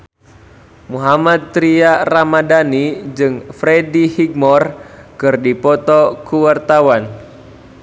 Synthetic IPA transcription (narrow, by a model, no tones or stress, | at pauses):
muɦamat̪̚ːɾiaramadanid͡ʒɨŋfɾedihik̚mɔrkɨrdipɔt̪ɔkuwart̪awan